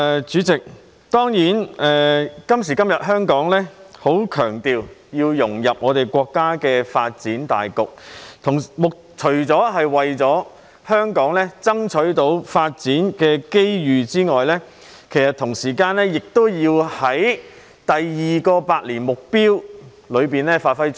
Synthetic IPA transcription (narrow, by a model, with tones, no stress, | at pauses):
ɛ˨t͡syː˨˥t͡sɪ˨k̚ | t̪ɔː˥ŋjiː˨˥nɛː˨kɐ˥msiː˨˩kɐ˥mjɐ˨t̚ɦœː˥ŋkɔː˨˥ŋlɛː˥ho˨˥wkʰœː˨˩ŋt̪iː˨wjiː˧wjʊ˨˩ŋjɐ˨p̚ŋɔː˨˧t̪e˨jkʷɔː˧kːaː˥kɛː˧faː˧t̚t͡siː˨˥nt̪a̰ː˨jkʊ˨k̚t̪ʰʊ˨˩ŋmʊ˨k̚t͡ʃʰɵ˨˩ɥt͡sɔː˨˥ɦɐ˨jwɐ˨jt͡sɔː˨˥ | hœː˥ŋkɔː˨˥ŋlɛː˥t͡sɐ˥ŋt͡ʃʰɵ˨˥ɥt̪o˨˥wfaː˧t̚t͡siː˨˥nkɛː˧ke˥jjyː˨t͡siː˥ŋɔː˨jlɛː˥ | kʰe˨˩jsɐ˨t̪̚ʰʊ˨˩ŋsiː˨˩kaː˧nlɛː˥jɪ˨k̚t̪o˥wjiː˧whɐ˨˥j | t̪ɐ˨jːiː˨kɔː˧paː˧t̚liː˨˩nmʊ˨k̚piː˥w | lɵ˨˧ɥpiː˨nlɛː˥faː˧t̚fɐ˥j